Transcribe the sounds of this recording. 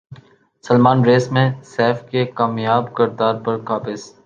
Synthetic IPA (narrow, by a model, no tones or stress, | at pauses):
sɐlmaːnɾeːsmẽsɛːfkekaːmijaːbkɪɾd̪aːɾpɐɾkaːpɪz